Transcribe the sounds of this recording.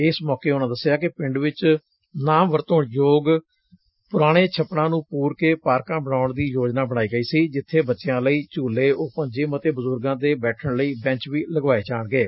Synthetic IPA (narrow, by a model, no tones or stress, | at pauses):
ɪsmɔːkeːʊnãːd̪əsːjaːkɪpɪ̃ɳɖʋɪt͡ʃ | naːmʋəɾt̪õːɳjoːɡ | pʊɾaːɽ̃eːt͡ʃʰəpɳãːnũːpuːɾkeːpaːɾkãːbəɳaːʊɳd̪iːjoːd͡ʒnaːbənaːiːɡəiːsiːd͡ʒɪt̪ʰːeːbətːʃɪjãːləiːt͡ʃuːleːoːpə̃ɲd͡ʒeːmət̪eːbəzʊɾɡãːd̪eːbɛːʈʰəɳləiːbɛ̃ɲt͡ʃʋiːləɡʋaːeːt͡ʃaːɳɡeː